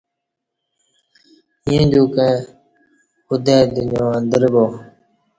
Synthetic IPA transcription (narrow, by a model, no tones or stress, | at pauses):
iːə̃d͡ʒoːkẽː | ʊd̪eːd̪ɪɲõːənd̪əɾboː